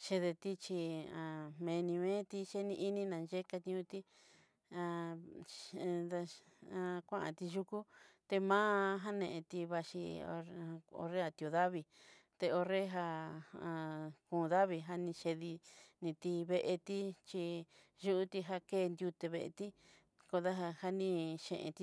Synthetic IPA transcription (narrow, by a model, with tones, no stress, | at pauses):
ʃe˧ðe˧t̪i˦t͡ʃi˧ã˨˧mẽ˧nĩ˧mẽ˦t̪i˧ʃe˦nĩ˧ʔi˦nĩ˦nã˨nʒe˦ka˧t̪ĩ˧ũ˧t̪i˦ | ã˧ | a˧ã˧kʷã˦ʔã̰˨t̪i˧ʒu˧ku˦t̪e˧mãː˦ɦa˦nẽ˧˨ʔẽ˧t̪i˧βa˧ʃḭ˧ | o̰˧re˦a˧t̪i˧o˧ða˦βi˧ | t̪e˧o˧re˦ɦa˧a˧kũː˨˧˨ða˦βi˧ɦa˧nĩ˧ʃe˧ði˧nĩ˧t̪i˧βe˧ʔe˧t̪i˦t͡ʃi˧ | ʒu˦ʔu˦t̪i˧ɦa˧keː˦˨˧nd̪ju˧t̪e˧βe˧ʔḛ˧t̪i˦ | ko˧ða˦ɦa˧ha˧nĩ˧ʃḛ̃˧˨ʔḛ̃˧t̪i˧